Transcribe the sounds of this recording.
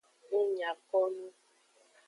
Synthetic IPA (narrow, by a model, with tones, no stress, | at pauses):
ʊ˦ɲa˨kɔ˦nu˦